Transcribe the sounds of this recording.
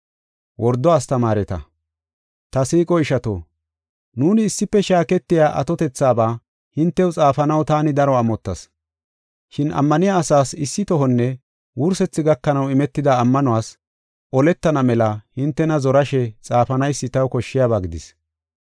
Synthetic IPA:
wʔɔɾd̪ːɔaːst̪ɐmaːɾɛt̪ɐ̰ | t̪ɐsiːkʼɔɪʃɐt̪oː | nuːnɪːsːɪpːɛʃaːkɛt̪ːɪjaːʔɐ̰t̪ɔt̪ɛt͡sːaːbaː | hɪnt̪ːɛwʊt͡sʼaːfɐnɐwt̪aːnɪd̪ɐɾɔɐmɔt̪ːɐs | ʃɪnʔɐ̰mːɐnɪjaːsaːsɪsːɪt̪ɔɦɔnːɛ | wʊɾsɛt͡sːɪɡɐkːɐnɐwɪmɛt̪ːɪd̪aːmːɐnɔwaːs | ʔɔlɛt̪ːɐnɐmɛlɐhɪnt̪ːɛnɐzɔɾɐʃɛt͡sʼaːfɐnɐjsːɪt̪ɐwkɔʃːɪjaːbaːɡɪd̪ɪs

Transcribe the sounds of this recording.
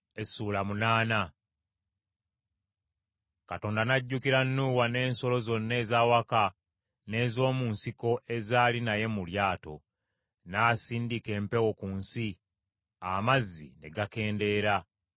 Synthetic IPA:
esuːlamunaːna | kato̞ːndanaɟːukiɾanːuːwane̞ːnso̞lo̞zo̞nːe̞ːzaːwaka | ne̞ːzo̞ːmunsiko̞ʔe̞zaːlinaje̞muljaːto̞̰ | naːsiːndike̞ːmpe̞wo̞kuːnsi | amazːḭne̞̰ɡake̞ːnde̞ːɾa

